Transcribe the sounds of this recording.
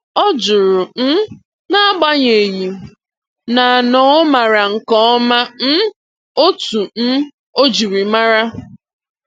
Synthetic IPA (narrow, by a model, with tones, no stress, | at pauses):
ɔ˦d͡ʒʊ˨ɾʊ˨n̩˦ | na˦ɡ͡ba˦ɲe˨ji˨ | na˨nɔ˨˦ma˨ɾa˨ŋ̩˨kɔ˦ɔ˦ma˦n̩˦ | o˦tu˨n̩˦ | o˦d͡ʒi˨ɾi˨ma˦ɾa˦